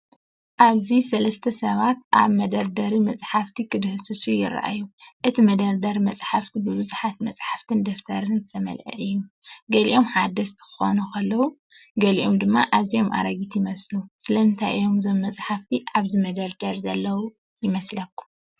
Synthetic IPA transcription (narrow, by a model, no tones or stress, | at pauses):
ʔaβzisɐlɐst̪ʰɐsɐβat̪ʔa̰βmɐd̪ɐɾd̪ɐɾimɐt͡sʼħaft̪ʰikʰɨd̪ɨhɨsɨsujɪ̰ɾa̰ʔa̰jːuʔɨt̪ʰimɐd̪ɐɾd̪ɐɾimɐt͡sʼħaft̪ʰibɨβɨzuħat̪mɐt͡sʼħaft̪ʰɨnd̪ɐft̪ʰɐɾɨnzʰɨt̪ʰɐmɐ̰lʕɐ̰ʔɨjːu | ɡɐliʔo̞mħad̪ɐst̪ʰkʰɨ̥xo̞̰nukʰɐlːɐwu | ɡɐliʔomd̪ɨmːaʔaβzijo̞mʔa̰ɾɐɡit̪jɪmɐslusɨlɐɨnt̪ʰajjo̞mzomːɐt͡sʼħaft̪ʰiʔaβzimɐd̪ɐɾd̪ɐɾzɐlːɐwu | jɪmɐslɐkːu̥